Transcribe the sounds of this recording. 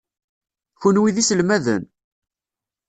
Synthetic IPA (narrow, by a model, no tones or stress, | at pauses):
çʊnwiðisəlmæðə̰n